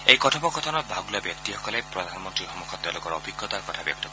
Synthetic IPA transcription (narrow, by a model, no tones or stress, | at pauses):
ejkɔtʰɔbɔkɔt̪ʰɔnɔt̪̚bʱaɡulabjɔkt̪ihɔkɔlepɾɔd̪ʱanɔmɔnt̪ɾixɔmukʰɔt̪ːalokɔɾɔbʱiɡjɔt̪aɾkɔt̪ʰabjɔk̚t̪ɔk